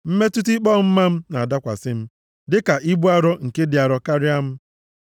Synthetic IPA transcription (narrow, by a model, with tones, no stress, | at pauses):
m̩˦me˦tu˦t̬i˦k͡pɔ˦m̩˦ma˦m̩˦na˨a˨da˦kʷa̰˨sɪ˦m̩˦ | dɪ˦ka˨ʔi˦bu˦a˦ɾɔ˦ŋ̩˨ke˦dɪ˨a˨ɾɔ˨ka˦ɾɪ˦a˦m̩˦